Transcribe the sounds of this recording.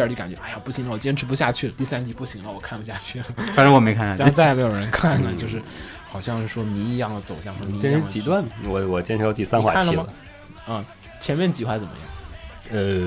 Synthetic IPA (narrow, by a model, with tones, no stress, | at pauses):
t͡ɕi˧˥ka˨˩t͡ɕɥɛ˧˦ʔa˥˩ja˨˩pu˥˩ɕi˧˥ŋlə˧wɔ˨˩t͡ɕjɛ˥nʈ͡ʂ̩ʰ˧˥pu˧˥ɕja˥˧t͡ɕʰy˥˩lə˩t̪i˥˩sa˥nt͡ɕi˧˥pu˥˩ɕi˧˥ŋlə˧wɔ˨˩kʰa˥˩npu˧˥ɕja˥˧t͡ɕʰy˥˩lə˩a˧˥ʈ͡ʂə˧˥wɔ˨˩me˧˥ɪkʰa˥˧na˥˨˥t͡sa˥˩ɪ˨me˧˥ɪjo˨˩ɻə˧˥nkʰa˥˩nːə˩t͡ɕjo˥˧ʊʂ̬ɻ̩˥˩ | xɑ˨˩ʊɕjɑ˥˧ŋʂ̩˥˩ʂwɔ˥ni˧˥i˧˥jɑ˥˩ŋd̪ə˩t͡so˨˩ʊɕjɑ˥˩ŋɔ˧˥i˧˥t͡ɕjɛ˥nʈ͡ʂʰɻ̩˧ŋ˨t͡ɕi˧˥t̪wa˥˩nwɔ˨˩wɔ˨˩t͡ɕjɛ˥nʈ͡ʂʰɻ̩˧˥jɑ˧ʊt̪i˥˩sa˥nxwa̰˧˥a˥t͡ɕlə˧i˥mɐ˨ə˧ | ə˥˧ | t͡ɕʰjɛ˧˥nmjɛ˥˩nt͡ɕi˧˥xwa˧˥t͡sə˨˩mə̰˦jɑ̰˥˩ŋ | ə˧